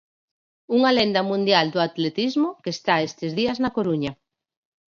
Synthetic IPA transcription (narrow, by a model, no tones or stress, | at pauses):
uŋalend̪ɐmũnd̪jald̪oat̪let̪izmokest̪aest̪ezðiaznakoɾuɲɐ